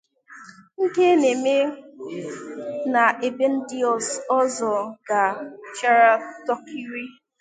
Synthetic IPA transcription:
ŋ̩˦ke˦ne˨me˦ | na˨ʔe˨be˦n̩˦di˦ɔ˨sɔ˦zɔ˨ɡa˨t͡ʃa˦ɾa˦tɔ˦ki˦ɾi˦

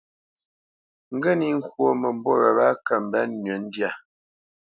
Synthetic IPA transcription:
ŋ̩˦ɡə˦ni˦ŋ̩˦kwo˦˨mə˨m˦bɔ˦ɾə̰˨ba˦kə˨m̩˨bɛ˦nːɥɛ˨˦n˦dja˦˨

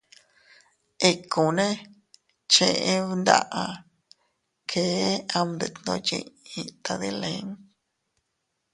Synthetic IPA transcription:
e˧ku˨nẽ˦ | t͡ʃẽ˧ʔẽ˦˧˦nd̪a̰˦˧ʔa˧ | kʰe˨˦a˧md̪e˨t̪nõ̰˧t͡ʃḭ̃˧ĩ˧t̪a˧ðe˦le˧˨˦ŋ

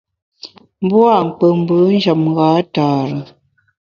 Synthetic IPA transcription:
m̩˦bwa˦˨ŋ̩˨k͡pə˨m̩˨bə˨˦n̩˦d͡ʒa˨mɣa˨˦taː˨ɾə˨

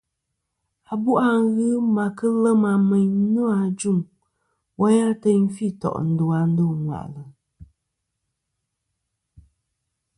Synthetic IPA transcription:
a˨bu˦ʔa˦ŋ˦ɣɨ˦ma˨kɨ˦lə˦ma˨mɛ˨ɲ˦no˦a˨d͡ʒu˦˨ŋ | wʔa˦ja˦tɛ˦ɲ˦fi˦˨tɔ̰˨ʔn̩˨do˨a˨n̩˦do˦˨ŋwa̰˨ʔlə˨

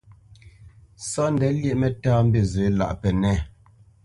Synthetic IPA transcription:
sɔ˦n̩˨dɛ˨˦ljɛ˦ʔmɛ˨taː˦m̩˦be˦˨zə˨˦la̰˨ʔpɛ˨nɛ˦˨

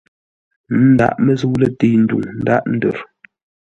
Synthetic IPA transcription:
n̩˦da̰˦˨ʔmə˦zu˦lə˦te˦˨n̩˦dṵ˨ŋn̩˦da̰˦ʔn̩˦də˨ɾ

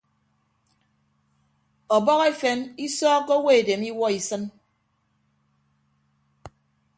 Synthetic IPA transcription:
ɔ˨bɔ˦ke˦fe˨˦ni˦sɔː˦kːo˦we˦e˨de˨mi˦wɔ˦i˨sɨ˦n

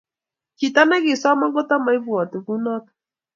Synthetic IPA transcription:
ki˨ta˦na˦kɪ˨swa˦ma˦ŋɡɔ˦ta˦ma˨i˦vwɔ˨tɪ˨ku˦nɔ˦t

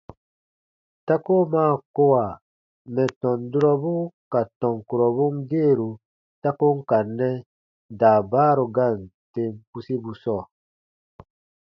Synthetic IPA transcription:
ta˦ko˦maː˦˨ko˦wa˨ | mɛ˨tɔ̃˨ndu˦ɾɔ˦bu˦ka˨tɔ̃˨ŋ˨ku˨ɾɔ˨βu˦mde˦˨ɾu˨ | ta˦ko˦ŋ̩˦ka˨nːɛ˦ | daː˨baː˦ɾo˨ɡa˦˨n˨te˦mpu˦si˦bu˨sɔ˦˨

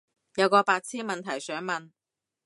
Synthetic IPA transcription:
jɐ˨˧wkɔː˧paː˧k̚t͡sʰiː˥nmɐ˨nt̪ʰɐ˨˩jsœː˨˥ŋmɐ˨n

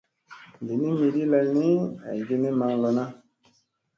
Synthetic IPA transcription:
di˨ni˦mi˨ɾi˦lɛ˦lni˦a̰˨i˨ɡe˦ni˦ma˨ŋlɔ˨na˦

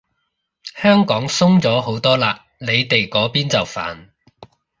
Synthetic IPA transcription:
hœː˥ŋkɔː˨˥ŋsʊ˥ŋt͡sɔː˨˥ho˨˥wt̪ɔː˥laː˨le˨˧jt̪e˨jkɔː˨˥piː˥nt͡sɐ˨˩wfa̰ː˨n

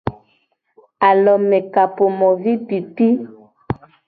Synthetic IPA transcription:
a˨lɔ˨mɛ˨ka˨po˨mɔ˨vi˦pi˨ti˦

